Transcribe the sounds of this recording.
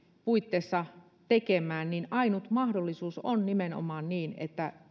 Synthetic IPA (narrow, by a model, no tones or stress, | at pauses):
puit̪ːeːsːɑ | t̪ekemˑæːnninɑinut̪mɑhdolːisuːsonnimeno̰mɑːnniːnḛt̪ːæ